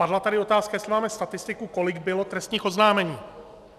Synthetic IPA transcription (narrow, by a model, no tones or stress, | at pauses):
adlat̪adɪo̞t̪aːskajɛslɪmaːmɛst̪at̪ɪst̪ɪkuko̞lɪɡbɪlo̞t̪ɾɛst̪ɲiːxo̞znaːmɛɲiː